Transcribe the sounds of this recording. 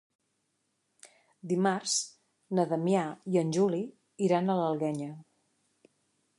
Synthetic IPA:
d̪imarz̥ | nəðəmjaiənʲʒuli | iɾanələlˠɣɛɲə

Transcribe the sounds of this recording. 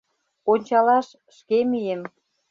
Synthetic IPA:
onʲt͡ɕɑlɑʃ | ʃkemijem

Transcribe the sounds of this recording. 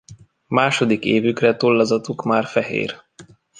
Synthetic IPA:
maːʃo̞d̪ikeːvykrɛt̪ulːɒzɒt̪ukmaːrfɛɦḛːr

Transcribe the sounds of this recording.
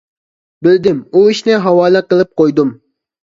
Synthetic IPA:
bɪld̪ɪmuiʃnɪɦɑwɑːlˠɨqəlˠɨp̚qojd̪um

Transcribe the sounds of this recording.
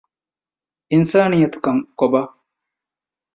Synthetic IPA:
ʔinsaːnijɐt̪u̥kɐŋkobaː

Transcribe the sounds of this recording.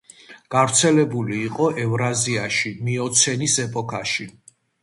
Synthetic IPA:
ɡ̥avɾt̪sʰɛlɛbuliːqʼɔʔɛvɾaziaʃimiɔt̪sʰɛnisɛpʼɔkʰaʃi

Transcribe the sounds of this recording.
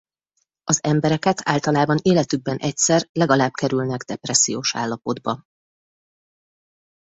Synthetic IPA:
ɒzɛmbɛɾɛkɛt̪ʰa̰ːlt̪ɒlaːbɒneːlɛt̪ybːɛnʔɛcsɛrlɛɡɒlaːb̚kɛɾylnɛɡd̪ɛprɛsːijoːʃa̰ːlːɒpo̞d̪bɒ

